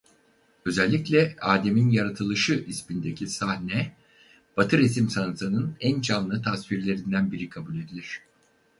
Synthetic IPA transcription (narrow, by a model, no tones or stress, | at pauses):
ø̞zælʲːiclʲɛaːd̪e̞minjaɾat̪ʰɯlˠɯʃɯʔispind̪e̞cʰisahnɛ | b̥at̪ʰɯɾes̬imsanɯsanɯnænt͡ʃʰanlːˠɯt̪ʰasviɾlʲe̞ɾind̪ænbiɾikʰabulʲe̞d̪ilʲiɾ̝̥